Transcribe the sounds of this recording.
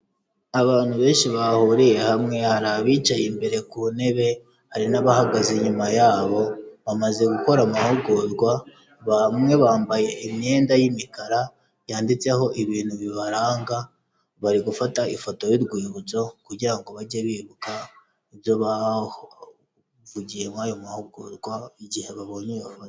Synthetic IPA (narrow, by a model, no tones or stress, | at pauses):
aβaːn̥huβe̞ːnʃiβahuɾije̞hamŋe̞haɾaβiːt͡ʃajimbe̞ɾe̞kune̞βe̞ | haɾinaβahaɡazeɲumajaːβo̞βamaze̞ɡuko̞ɾamahoɡozɡwa | βamŋe̞βaːmbaje̞ime̞ːndajimikaɾa | jaːndit͡se̞ho̞ʔiβiːnhuβiβaɾaːŋɡa | βaɾiɡufataifo̞to̞jiɾɡwiːβuzo̞kuɟiɾaŋɡo̞βaɟaβiβuka | iβjo̞βa | vuɟijemwaːjo̞mahoɡozɡwaiɟihe̞βaβo̞ɲejofoto̥